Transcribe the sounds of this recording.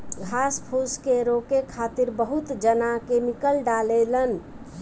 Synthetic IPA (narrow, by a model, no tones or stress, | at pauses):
ɡʱaspʰuskeɾokekʰat̪iɾbəɦut̪d͡ʒənakemikəlɖalelən